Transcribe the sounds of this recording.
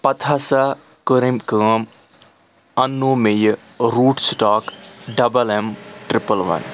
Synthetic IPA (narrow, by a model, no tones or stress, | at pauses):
pɐt̪ʰasa | kəɾimkəːm | ɐnːoːmej | ɾuːʈsʈaːkɖɐbəlɛmʈɾɪpəlʋɐ̰n